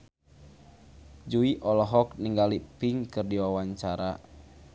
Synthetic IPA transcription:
d͡ʒuiʔɔlɔɦɔkniŋɡalipiŋkɨrdiwawaɲt͡ʃaɾa̰

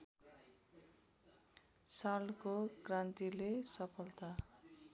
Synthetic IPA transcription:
salkokrant̪ilesʌpʰʌlt̪a

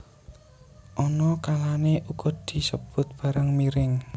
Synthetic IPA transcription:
ʔɔnɔkalaneʔuɡɔd̪̥i̤səb̥ʊ̤t̪̚b̥a̤ɾəŋmiɾɪŋ

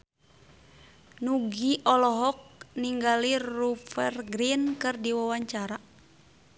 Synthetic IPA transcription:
nuɡiʔɔlɔɦɔk̚niŋɡalirufɛrɡɾinkɨrdiwawaɲt͡ʃaɾa

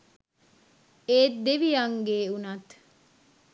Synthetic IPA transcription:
eːtd̪eʋijaŋɡeːunɐt̪

